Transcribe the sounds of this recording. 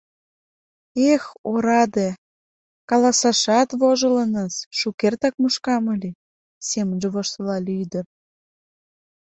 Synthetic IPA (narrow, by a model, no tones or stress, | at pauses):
exoɾɑd̪e | kɑlɑsɑʃɑt̪βoʒələnəsʃukert̪ɑk̚muʃkɑməlʲi | semənʒĕβoʃt̪əlɑlʲiyd̪ə̆r